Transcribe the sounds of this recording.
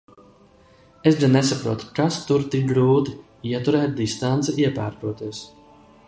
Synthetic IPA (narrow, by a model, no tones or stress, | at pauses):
esɡanːɛsapɾuɔt̪u̥kast̪uɾt̪ik̚ɡɾuːt̪i | iɛt̪uɾɛːt̪̚d̪ist̪ant̪sɛiɛpaːɾt̪uɔt̪iɛs